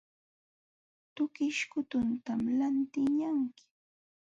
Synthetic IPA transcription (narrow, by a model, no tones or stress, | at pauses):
t̪ʊkɪʃkʊt̪ʊnt̪amlant̪ɪɲaŋkɪ̥